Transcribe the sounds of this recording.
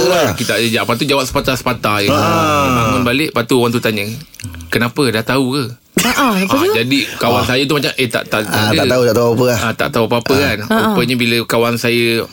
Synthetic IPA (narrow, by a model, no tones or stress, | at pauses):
akit̪aʔd͡ʒaʔpat̪̬ud͡ʒawap̚sə̥pat̪asə̥pat̪ajaamanbaleʔpat̪uowaŋt̪̬ut̪aɲəkənapədaht̪auə | aʔaəd͡ʒadikawansajat̪umat͡ʃamʔət̪a̰ʔt̪a̰ʔt̪atəaʔ̪aut̪aʔt̪aupapəaat̪a̰ʔt̪auapapəkanuəɲəbiləkawansajə